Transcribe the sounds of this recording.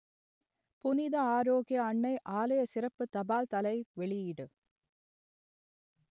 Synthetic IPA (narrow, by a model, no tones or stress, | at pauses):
pʊnɪðɐaːɾoːɣɪjɐːɳːɐɪʔaːlɐjɐsɪɾɐpːɯt̪ɐbaːlt̪ɐlɐɪʋɛɭɪjɪɽɯ